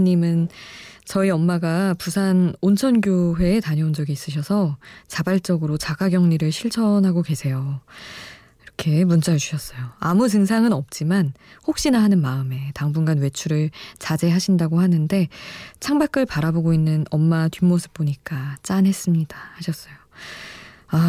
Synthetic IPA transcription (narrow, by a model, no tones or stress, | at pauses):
ɲimɯnt͡ɕʌiʌmːaɡapusʰanont͡ɕʰʌnɡjoɸwe̞ːtaɲʌond͡ʑʌɡiːs͈ɯɕ̬ʰʌsʰʌt͡ɕabaɭt͡ɕ͈ʌɡɯɾot͡ɕaɡaɡjʌŋɲiɾɯɭɕʰiɭt͡ɕʰʌnɦaɡokwe̞sʰe̞jo | iɾʌkʰe̞munt͡ɕ͈ad͡ʑuɕʰʌs͈ʌjoamut̬ɯŋsʰaŋɯnʌp̚t͡ɕ͈imanhok̚ɕ͈inaɦanɯnmaɯme̞taŋbunɡanwe̞t͡ɕʰuɾɯɭt͡ɕad͡ʑe̞ɦaɕʰindaɡohanɯnde̞t͡ɕʰaŋbak͈ʰɯɭpaɾaboɡoinːɯnʌmːatɥimosʰɯ̥p̚p͈oɲik͈at͡ɕ͈anɦe̞s͈ɯmɲid̥ahaɕʰʌs͈ʌjo | a